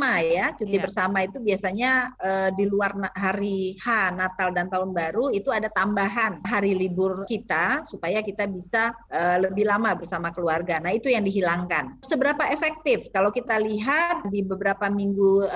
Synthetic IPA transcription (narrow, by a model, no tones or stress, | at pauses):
majjat͡ʃut̪ibərsamait̪ubiasaɲaədiluarnɦaɾihanat̪aldant̪aʊnbaɾuit̪uadat̪ambaɦanɦaɾilibʊrkit̪asupajakit̪abisaələbɪlamabərsamakəluarɡanaɦit̪ujaŋdiɦilaŋkansəbəɾapaefɛk̚t̪ɪfkalawkit̪aliɦat̪̚dibəbəɾapamiŋɡu